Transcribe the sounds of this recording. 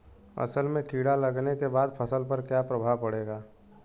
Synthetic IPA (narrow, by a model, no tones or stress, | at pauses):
ɐ̰səlmẽkiːɽalɐɡnekebaːd̪pʰəsəlpɐɾkjapɾɐbʱaːʋpɐɽeːɡaː